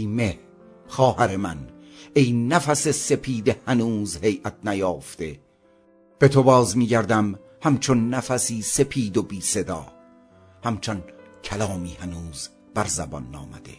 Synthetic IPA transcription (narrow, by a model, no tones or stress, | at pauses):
meh | χɒːhæɾemæn | ejnæfæse̞se̞pʰiːd̪ehænuːzhe̞jʔæt̪̚ʰnæjɒːft̪e̞ | b̥e̞t̪ʰobɒːzmiːɟæɾd̪æm | hæmt͡ʃʰonːæfæsiːse̞pʰiːd̪obiːse̞d̪ɒː | hæmt͡ʃʰon | cʰælɒːmiːhænuːz | b̥æɾzæbɒ̰nːɒ̰ːmæ̰d̪e̞̰